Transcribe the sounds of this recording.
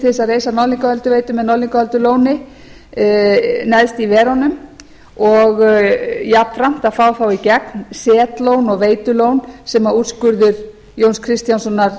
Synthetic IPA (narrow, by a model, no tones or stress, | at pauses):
θɪsaðreːjsanɔliŋkahœlt̪ʏveːjt̪ʏmɛðnɔwliŋkaœlt̪ʏloːwnɪ | nɛðst̪ivɛːɾanʏm | ɔɣjap̪fɾam̥t̪aðfaːwθawicɛknsɛːt̪lownɔɣveːjt̪ʏlownsɛmauːt̪skʏɾðʏɾ | jownskʰɾɪst̪jansɔnːaɾ̥